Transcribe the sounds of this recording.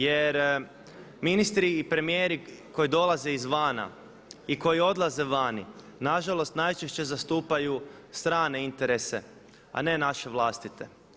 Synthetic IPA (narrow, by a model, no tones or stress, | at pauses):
jeɾ | minist̪ɾiːpɾe̞mijeːɾiko̞jid̪o̞laze̞izʋaːna̰ | iko̞jio̞d̪lˠaze̞ʋanḭ | naʒalˠo̞st̪najt͡ʃeʃt͡ɕe̞zast̪uːpajust̪ɾaːne̞int̪e̞ɾese̞ | a̰ne̞naʃe̞ʋlˠaːst̪it̪e̞̰